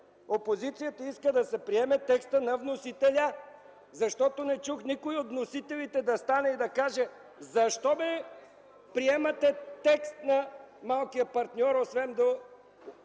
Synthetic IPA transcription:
opozit̪sijət̪əiskəd̪ɐsɛpɾiɛmɛt̪ɛkst̪ənɐvnosit̪ɛlʲə | zɐʃt̪ɔt̪onɛt͡ʃuxnikoiot̪vnosit̪ɛlit̪ɛd̪ɐst̪anɛid̪ɐkaʒɛ | zɐʃt̪ɔbɛ | pɾiɛmɐt̪ɛt̪ɛkst̪nɐmalˠkijəpɐɾt̪nʲɔɾosvɛnd̪o

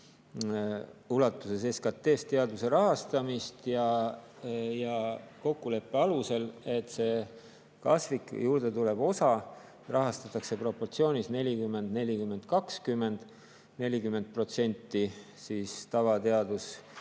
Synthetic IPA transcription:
ulɑt̪ːˑuse̞s̬e̞skɑt̪ːˑe̞ːst̪e̞ɑd̪use̞ɾɑɦɑst̪ɑmist̪jɑ | jɑko̞kːule̞pːˑeɑluse̞le̞t̪ːse̞ | kɑ̰svikjuːɾd̪̥e̞t̪ule̞b̥o̞sɑ | rɑɦɑst̪ɑt̪ːˑɑkse̞pro̞pːo̞rt̪sio̞ːnʲisne̞lʲikymːe̞nd̪ne̞lʲikymːe̞nd̪̥kɑkskymːe̞nd̪̥ | ne̞lʲikymːe̞nd̪̚pro̞t̪se̞nʲt̪ːi | siːst̪ɑvɑt̪e̞ɑd̪̥us

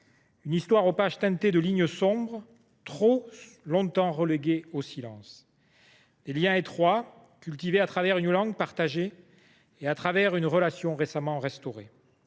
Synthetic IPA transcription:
ynist̪waʁopaʒt̪ɛ̃t̪ed̪əliɲəsɔ̃bʁ | t̪χo | lɔ̃t̪ɑ̃ʁəleɡeosilɑ̰̃s | d̪̥eljɛ̃et̪χwa | kʲylt̪iveat̪χavɛʁynlɑ̃ɡpaʁt̪aʒe | eat̪χavɛʁynʁəlasjɔ̃ʁesamɑ̃ʁɛst̪ɔʁe

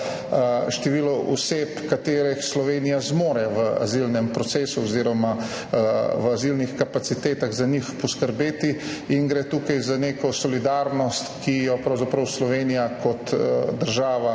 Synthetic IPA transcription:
ʃt̪ɛʋiːlɔʔɔseːpkat̪eːɾɛxslɔʋeːnijazmoːɾɛʋəa̰zilnɛmpɾɔtseːsuɔziːɾɔma | ʋazilnixkapat̪sit̪eːt̪aɣzaɲixpɔskəɾbeːt̪i | iŋɡɾɛt̪uːkajzaneːkɔsɔlid̪aɾnɔst̪kʰijɔpɾɐwzapɾɐwslɔʋeːnijakɔt̪d̪əɾʒaːʋa

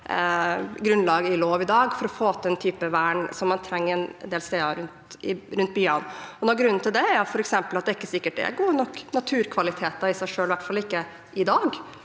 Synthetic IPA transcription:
ɡɾʉnlɑːɡəɪloːʋɪd̪ɑːɡfɔɾɔfoːt̪ɛnt̪ʰyːpəʋæːɳsɔmːɑnt̪ʰɾɛŋːəɾɛnnd̪eːlst̪eːɑɾʉnt̪ɪ̰ɾʉnt̪̚byːɑnɔnɔɡɾʉnːn̩t̪ɪld̪ɛæɾjʊfɔɾɛksɛmpəlɑt̪̚d̪ɛɪkːəsɪkːəʈ̚ɛ̰ɡoːɾnɔkːnɑt̪ʰʉːɾkʰʋɑlɪt̪ʰeːt̪ɑɪsæɪʂøːlʋæʈfɑlːɪkːə | ʔɪd̪ɑːɡ

